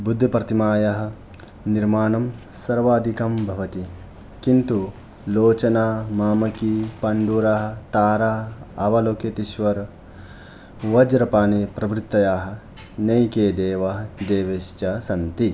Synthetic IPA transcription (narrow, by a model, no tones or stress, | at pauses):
bud̪ʱːɐpɾɐt̪imaːjɐɦɐ̆ | niɾmaːnɐmsɐɾʋaːd̪ʱikɐmbʱɐʋɐt̪i | kint̪u | loːt͡ʃɐnaːmaːmɐkipɐɳɖuɾaɦɐt̪aːɾaːɐʋɐloːkɐt̪iʃʋɐɾ | ʋɐd͡ʒɾɐpaːnipɾɐbɾit̪ːɐjaːɦɐ̆ | nɐjkeːd̪eːʋɐɦɐd̪eːʋeːʃt͡ʃɐsɐnt̪i